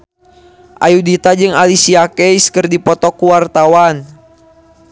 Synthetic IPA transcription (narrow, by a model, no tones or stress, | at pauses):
ʔajudit̪ad͡ʒɨŋalisiakɛjskɨrdipɔt̪ɔkuwart̪awan